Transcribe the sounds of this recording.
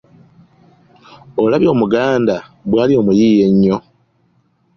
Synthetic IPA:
olaβjo̞ːmuɡaːndaβwaːlio̞ːmujiːje̞ɲːo̞

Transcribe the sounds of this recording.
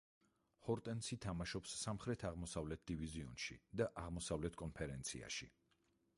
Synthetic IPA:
hɔɾt̪ʼɛnsʰit̪ʰamaʃɔpsːamχɾɛt̪ʰaʁmɔsavlɛt̪̚ʰd̪iviziɔnʃḭd̪aʔaʁmɔsavlɛt̪ʰkʼɔnpʰɛɾɛnt̪sʰḭa̰ʃi

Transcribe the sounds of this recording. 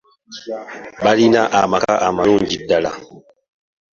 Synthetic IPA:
balinaʔamakaʔamanũnd͡ʒidala̰

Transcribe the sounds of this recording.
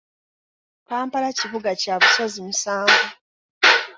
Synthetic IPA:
kaːmpalaciβuɡacaβuso̞zimusaːŋɡo

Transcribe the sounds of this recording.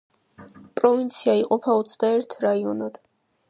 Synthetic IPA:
pʼɾɔvint̪sʰiaiqʼɔpʰaɔt̪sʰd̪aɛɾt̪ʰɾaiɔnad̪̥

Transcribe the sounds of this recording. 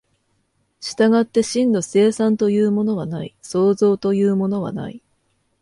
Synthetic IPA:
ɕi̥t̪aɡat̪ːe̞ɕĩnːo̞se̞ːsãnt̪o̞jɯ̟ːmo̞no̞β̞anaiso̞ːzo̞ːt̪o̞jɯ̟ːmo̞no̞βa̰na̰i

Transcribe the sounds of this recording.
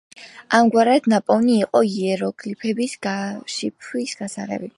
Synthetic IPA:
amɡwaɾad̪̥napʼɔvniːqʼɔiɛɾɔɡʼlipʰɛbisɡaʃipʰwisɡ̥asaʁɛ̰bi

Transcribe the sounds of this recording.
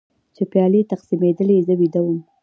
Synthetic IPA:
t͡ʃepjɑlet̪aqsimed̪əlezəwid̪awəm

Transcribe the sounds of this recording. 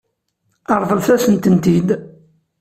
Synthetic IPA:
ɑɾˤðˤəlθæsənt̪ənt̪id̪

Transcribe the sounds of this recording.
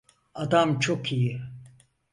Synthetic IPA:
ad̪amt͡ʃʰo̞kʰiji

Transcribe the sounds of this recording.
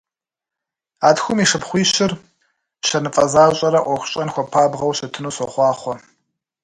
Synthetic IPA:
aːtxʷʊmiʂɨpχʷiːɕɪr | ɕɐnɨfʼɐzaːɕʼɐɾɐʔʷɔxʷʊɕʼɐnxʷɔpʰaːbʁɐwɕɐtʰɨnuːsɔχʷɑːχʷɔ

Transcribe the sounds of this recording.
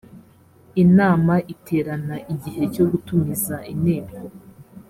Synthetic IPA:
inaːmaʔitʰe̞ːɾanaʔiɟiɦe̞co̞ɡutumizaʔineːbɡo

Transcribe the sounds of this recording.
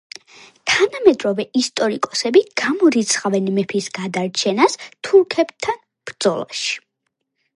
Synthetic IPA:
t̪ʰanamɛd̪ɾɔvɛist̪ʼɔɾikʼɔsɛbiɡ̥amɔɾit̪sʰχavɛnmɛpʰisɡ̥ad̪aɾt͡ʃʰɛnast̪ʰuɾkʰɛbt̪ʰan | b̥ɾd̪z̥ɔlˠa̰ʃi̥

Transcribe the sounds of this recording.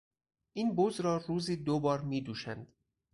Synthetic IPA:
ʔiːnbozɾɒːruːziːd̪obɒːɾmiːd̪uːʃænd̪̥

